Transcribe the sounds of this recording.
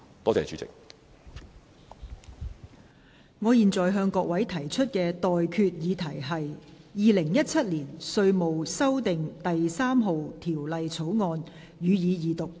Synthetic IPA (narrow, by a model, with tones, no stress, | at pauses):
t̪ɔː˥t͡sɛ̰ː˨t͡ʃy̰ː˨˦t͡sɪ̰˨k̚ | ŋɔː˨˧jiː˨nt͡sɔː˨jɦœː˧ŋkɔː˧k̚wɐ˨˥jt̪ʰɐ˨˩jt͡ʃʰɵ˥t̚kɛː˧t̪ɔː˨jkʰyː˧t̚jiː˨˧t̪ʰɐ˨˩jɦɐ˨jjiː˨lɪ˨˩ŋjɐ˥t̚t͡sʰɐ˥t̚liː˨˩nsɵ˧ɥmo˨wsɐ˥wt̪ɪ˨ŋt̪ɐ˨jsaː˥mɦo˨wt̪ʰiː˨˩wlɐ˨jt͡sʰo˨˥wŋɔː˧n | jyː˨˧jiː˨˧jiː˨t̪ʊ˨k̚